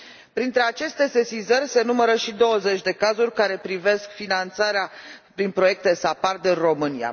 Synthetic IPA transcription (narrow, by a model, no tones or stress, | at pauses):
pɾint̪ɾe̞at͡ʃe̞st̪e̞se̞sizərʲse̞numəɾəʃid̪o̞wəze̞t͡ʃʲd̪e̞kazurʲkaɾe̞pɾive̞skfinant̪saɾeapɾinpɾo̞je̞k̚t̪e̞sapard̪ɨnro̞mɨnija̰